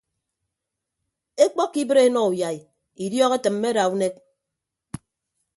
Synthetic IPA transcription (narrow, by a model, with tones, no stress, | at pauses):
e˦k͡pɔ˦kːi˦bɨ˦ɾe˦nɔ˦u˨ja˨i˨ | i˨djɔː˦ɣe˦tɨ˨m̩ː˦e˦ɾa˨u˦ne˦k̚